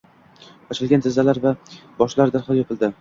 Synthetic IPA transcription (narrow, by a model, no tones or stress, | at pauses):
ɒt͡ʃʰɪlˠɡʲant̪ʰɪzːalaɾvabɒʃlaɾd̪aɾχlˠjɒpʰɪld̪ɪ